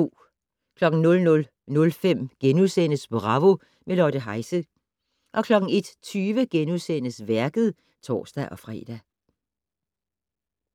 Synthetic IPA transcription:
o̝̰ː | kʰlɒ̽ɡ̥n̩nɔ̽lnɔ̽l | nɔ̽lfem̰ɡ̥enuðsen̰əsb̥oʁɑ̈ʋo̝ | melɒd̥əɦɑ̈ɪsə | ʔɒ̽kʰlɒ̽ɡ̥n̩e̝d̥t͡sʰyːʋəɡ̥enusen̰əsʋæɐɡ̥əð̩ˠ | t͡sʰɒ̰ːsd̥æʔɒ̽fʁɛ̰ːd̥æ

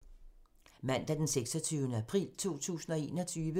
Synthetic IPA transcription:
mæn̰d̥æd̥enseɡ̥sɒt͡sʰyːʊnəæpʰʁḭːlt͡sʰo̝̰ːt͡sʰṵːsn̩ɒ̽e̝ːnɒ̽t͡sʰyːʋə

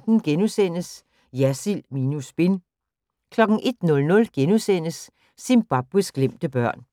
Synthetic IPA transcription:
d̥n̩ɡ̥enusen̰əs | jæsilminusb̥en | kʰlɒ̽ɡ̥ŋ̩ʔe̝d̥nɔ̽lnɔ̽lɡ̥enusen̰əsː | inb̥ɑ̈b̥ʁisɡ̥lem̰d̥əb̥ɶɐ̰n

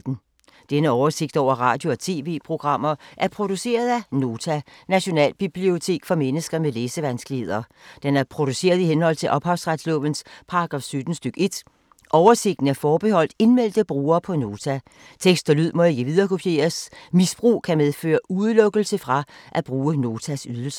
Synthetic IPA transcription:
d̥n̩ | d̥enəɒʊɐse̝ɡ̥̚d̥ɒ̰ʊ̰ɐʁɑ̈ːd̥jo̝ɒ̽t͡sʰe̝̰ːʋe̝̰ːpʰʁo̝ɡ̥ʁɑ̈m̰ɐʔæɐpʰʁo̝d̥use̝̰ːɐð̞ˠæno̝ːt͡sʰænæɕo̝nɛ̰ːlb̥ib̥lio̝t͡sʰe̝̰ːɡ̥fɒ̽menəsɡ̥ɐmeleːsəʋænsɡ̥lihe̝ð̰ˠɐ | d̥enæɐpʰʁo̝d̥use̝̰ːɐðˠihenhɒ̽l̰t͡sʰe̝lʔɒ̽b̥hɑ̈ʊsʁɑd̥slɔ̰̽ʋənspʰɑ̈ʁɑɡ̥ʁɑ̈ːfsød̥n̩sd̥øɡ̥e̝d̥ | ʔɒʊɐse̝ɡ̥̚d̥n̩æɐfɒːb̥ehɒ̽l̰d̥e̝nmel̰d̥əb̥ʁuːɐːpʰɒ̽no̝ːt͡sʰæ | t͡sʰeɡ̥sd̥ɐlyð̰ˠmɒ̽e̝ɡ̥əʋið̞ˠɐːkʰo̝pʰje̝̰ːɐsmisb̥ʁṵːkʰæmeð̞ˠfø̰ːɐuð̞ˠlɔ̽ɡ̥əl̩səfʁɑ̈ʔæb̥ʁuːəno̝ːt͡sʰæsyð̞ˠl̩sə̥

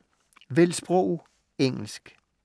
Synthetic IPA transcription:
ʋelsb̥ʁɔʊ | eŋ̰l̩sɡ̥

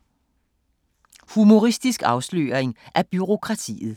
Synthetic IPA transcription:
humo̝ʁisd̥isɡ̥ɑ̈ʊslø̰ːɐeŋʔæɐb̥yʁo̝kʰʁɑ̈t͡sʰḭːð̩ˠ

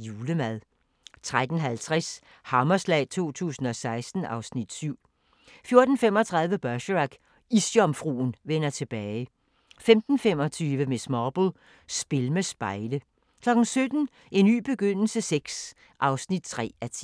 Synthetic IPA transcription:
juːləmæðˠ | t͡sʰʁad̥n̩ɦælt͡sʰʁɛs | hɑ̈mɐslɛ̰ɪt͡sʰo̝̰ːt͡sʰṵːsn̩ɒ̽sɑ̈ɪsd̥n̩ʔɑ̈ʊsnid̥syʊ̰ | fjo̝ɐd̥n̩femɒ̽t͡sʰʁɑ̈ðˠʋəb̥œɕʁɑɡ̥ | isjɒ̽mfʁṵːnʋenɐt͡sʰe̝b̥ɛːɪ | femd̥n̩fem̰ɒ̽t͡sʰyːʋəmesmɑːb̥l̩ˠ | sb̥e̝lmesb̥ɑ̈ɪlə | kʰlɒ̽ɡ̥n̩sød̥n̩ | e̝nːy̰ːb̥e̝ɡ̥øn̰l̩səseɡ̥s | ʔɑ̈ʊsnid̥̚t͡sʰʁɛ̰ːæt͡sʰi

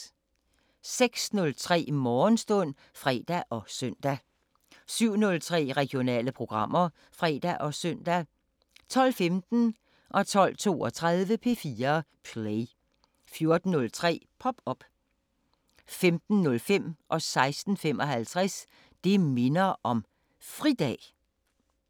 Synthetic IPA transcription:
seɡ̥snɔ̽lt͡sʰʁɛ̰ːmɒːnsd̥ɔ̽n̰ | fʁɛ̰ːd̥æʔɒ̽sœn̰d̥æ | syʊ̰nɔ̽lt͡sʰʁɛ̰ːʁɛɡ̥jo̝nɛ̰ːləpʰʁo̝ɡ̥ʁɑ̈m̰ɐ | fʁɛ̰ːd̥æʔɒ̽sœn̰d̥æ | t͡sʰɒ̽l̰femd̥n̩ | ʔɒ̽t͡sʰɒ̽l̰t͡sʰo̝̰ːɒ̽t͡sʰʁað̞ˠʋəpʰe̝ːfiːɐpʰleɪ | fjo̝ɐd̥n̩ːɔ̽lt͡sʰʁɛ̰ːpʰɒ̽b̥ɒ̽b̥ | femd̥n̩ːɔ̽lfem̰ʔɒ̽sɑ̈ɪsd̥n̩fem̰ɒ̽ɦælt͡sʰʁɛs | d̥e̝me̝nɐʔɒ̽m | fʁid̥ɛ̰ː

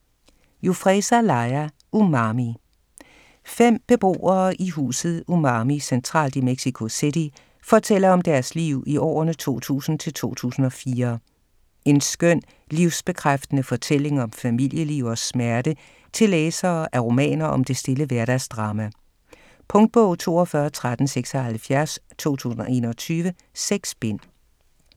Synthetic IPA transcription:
jufʁɛsælɑ̈ɪæ | umɑ̈ːmi | fem̰b̥e̝b̥o̝̰ːɐːʔiɦṵːsð̩ˠumɑ̈ːmisent͡sʰʁɑ̰̈ːld̥imeɡ̥sikʰo̝se̝d̥i | fɒ̽t͡sʰel̰ɐɒ̽md̥æɐsliʊ̰iɒ̰ːɐnət͡sʰo̝̰ːt͡sʰṵːsn̩t͡sʰe̝lt͡sʰo̝̰ːt͡sʰṵːsn̩ɒ̽fiːɐ | e̝nsɡ̥øn̰ | liʊsb̥e̝kʰʁafd̥ənəfɒ̽t͡sʰel̰e̝ŋɒ̽mfæmil̰jəliʊ̰ɒ̽smæɐɾ̥ə | t͡sʰe̝leːsɐːʔæʁo̝mɛ̰ːnɐʔɒ̽md̥e̝sd̥e̝ləʋæɐɾ̥æsd̥ʁɑ̈ːmæ | pʰɔ̽ŋd̥̚b̥ɔʊ̰t͡sʰo̝̰ːɒfɶːɐt͡sʰʁad̥n̩seɡ̥sɒhælfjæɐst͡sʰo̝̰ːt͡sʰṵːsn̩ɒ̽ʔe̝ːnɒt͡sʰyːʋə | seɡ̥sb̥en̰

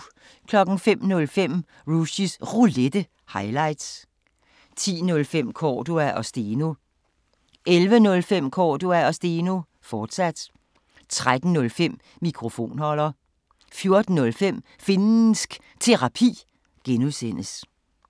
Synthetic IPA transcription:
kʰlɒ̽ɡ̥n̩fem̰nɔ̽lfem̰ | ʁuɕisʁuled̥ə | hɑ̈ɪlɑ̈ɪd̥s | t͡sʰḭːnɔ̽lfem̰kʰɒːd̥uæʔɒ̽sd̥eːno | ʔelʋənɔ̽lfem̰kʰɒːd̥uæɒ̽sd̥eno | fɒːd̥sæd̥ | t͡sʰʁad̥n̩nɔ̽lfem̰ | mikʰʁo̝fo̝̰ːnhɒ̽l̰ɐ | fjo̝ɐd̥n̩ːɔ̽lfem̰ | fe̝nn̩sɡ̥ | t͡sʰe̝ʁɑ̈pʰḭː | ɡ̥enuðˠsen̰əs

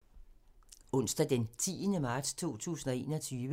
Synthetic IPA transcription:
ɔ̽n̰sd̥æd̥ent͡sʰḭːənəmɑ̈ːd̥st͡sʰo̝̰ːt͡sʰṵːsn̩ɒ̽e̝̰ːnɒ̽t͡sʰyːʋə

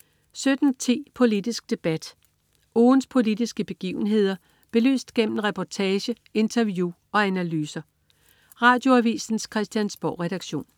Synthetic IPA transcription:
sød̥n̩t͡sʰḛːpʰo̝lid̥isɡ̥̚d̥e̝b̥æd̥ | ʔoːnspʰo̝lid̥isɡ̥əb̥e̝ɡ̥ḭːʊn̩ɦe̝ð̞̰ˠɐ | b̥e̝ly̰ːsd̥ɡ̥em̰m̩n̩ʁɛpʰɒt͡sʰɛːɕə | e̝nt͡sʰɐʋju | ɒ̽ænælyːsɐ | ʁɑ̈ːd̥jo̝æʋḭːsn̩skʰʁɛsd̥jænsb̥ɒʊ̰ʁɛɾ̥ɑ̈ɡ̥ɕo̝̰ːn

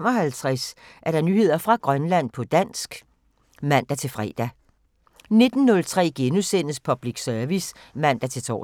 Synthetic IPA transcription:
m̰ɒ̽ɦælt͡sʰʁasʔæɐɾ̥ɑ̈nyːhe̝ð̞̰ˠɐfʁɑ̈ɡ̥ʁɶnlæn̰pʰɒ̽d̥æn̰sɡ̥ | mæn̰d̥æt͡sʰe̝fʁɛ̰ːd̥æ | ne̝d̥n̩ːɔ̽lt͡sʰʁɛ̰ːɡ̥enusen̰əspʰɒ̽b̥liɡ̥sœɐʋismæn̰d̥æt͡sʰe̝lt͡sʰɒ̰ː

